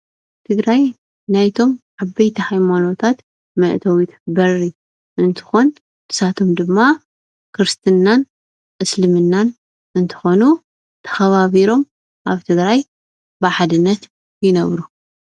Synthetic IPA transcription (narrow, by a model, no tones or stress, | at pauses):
t̪ʰɨɡɾaj | najt̪ʰo̞mʕaβɐjt̪ʰihajmano̞t̪ʰat̪ | mɐʔt̪ʰɐwit̪ʰbɐrːi | ʔɨnt̪ʰɨ̥xo̞n | t̪ʰɨ̥sat̪ʰo̞md̪ɨmːa | kʰɨɾɨst̪ʰɨnːan | ʔɨslɨmɨnːan | ʔɨnt̪ʰɨ̥xo̞nu | t̪ʰɐ̥xɐβaβiɾo̞m | ʔaβt̪ʰɨɡɾaj | bɨħad̪ɨnːɐt̪ | jɪnɐβɾu